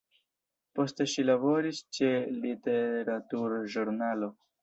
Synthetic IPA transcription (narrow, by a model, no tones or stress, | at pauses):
post̪eʃilaboɾist͡ʃelit̪eɾat̪uɾʒuɾnaːlo